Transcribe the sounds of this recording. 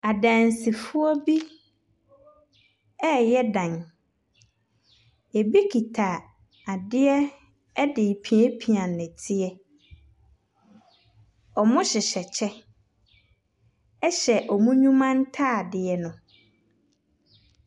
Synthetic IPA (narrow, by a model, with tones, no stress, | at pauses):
a˨dã˨nsi˨fʊ˦ɔ˦bi˦ | ɛ˦jɛ˦dã˨n | e˨bi˦kʰi˨tʰa˨ | a˨dɪ˦ɛ˦ | ɛ˦dɪ˨pʰi˨ɛ˦pʰi˨ã˨nːɛ̃˨tʰɪ˦ɛ˦ | ɔ˨mʊ̃˦ɕɪ˨ɕɛ˨t͡ɕʰɛ˦ | ɛ˦ɕɛ˨ʔɔ˨mũ˦ɲũ˦mã˦n˦tʰa˦˨dɪ˨ɛ˨nʊ̃˨